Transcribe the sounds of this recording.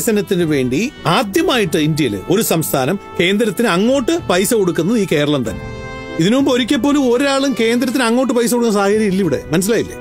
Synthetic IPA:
sɐnɐt̪ːinɨʋe̞ːɳɖiaːd̪jɐmaːjiʈːɨind̪jɐilḛo̞ɾusɐmst̪ʰaːnɐmke̞ːnd̪ɾɐt̪ːinɨɐŋːo̞ːʈːɨpɐjsɐko̞ɽukːunːɐðɨiːke̞ːɾɐɭɐmt̪ɐ̰nːḛ | iðinɨmumbo̞ɾikʲːɐp̬ːo̞ːlumo̞ɾaːɭumke̞ːnd̪ɾɐt̪̬ːinɐŋːoːʈ̬ːɨpɐjs̬ɐkoɽkːunːɐsaːhɐkɐɾjɐmilːɐiʋiɽḛmɐnɐs̬ːilaːjilːḛ

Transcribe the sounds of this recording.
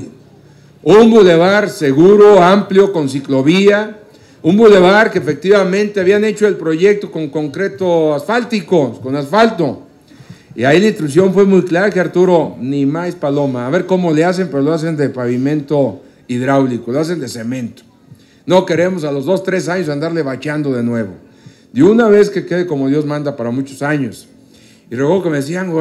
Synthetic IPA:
umbule̞βaɾse̞ɣuɾoampljo̞ko̞nsiklo̞βia | umbule̞βaɾkeːfe̞k̚t̪iβamẽ̞nt̪e̞aβiane̞t͡ʃo̞elpɾo̞ʝe̞k̚t̪o̞ko̞ŋko̞ŋkɾe̞t̪oasfalt̪iko̞ko̞nasfalt̪o̞ | iailainst̪ɾuks̬jo̞ɱfwe̞mujklaɾakeaɾt̪uɾo̞nimajspalo̞maːβe̞ɾko̞mo̞leas̬e̞mpe̞ɾo̞loas̬e̞nd̪e̞paβimẽ̞nt̪o̞ | iðɾawlikoloas̬e̞nd̪e̞se̞mẽ̞nt̪o̥ | no̞ke̞ɾe̞mo̞s̬alo̞zðo̞st̪ɾe̞s̬aɲo̞s̬and̪aɾle̞βat͡ʃand̪o̞ðe̞nwe̞βo̞̰ | d̪jounaβe̞ske̞ke̞ðeko̞moðjo̞zmãnd̪apaɾamut͡ʃosaɲo̞s | irekeɣokeme̞ðes̬iaŋ

